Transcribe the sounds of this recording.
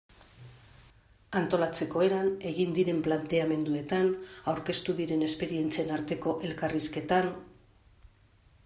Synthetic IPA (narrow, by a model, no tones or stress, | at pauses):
ant̪o̞lat͡se̞ko̞e̞ɾane̞ɣind̪iɾe̞mplant̪e̞ame̞nd̪ue̞t̪anawɾke̞st̪uðiɾe̞ne̞spe̞ɾie̞nt͡sienaɾt̪e̞ko̞ʔe̞lkariske̞t̪an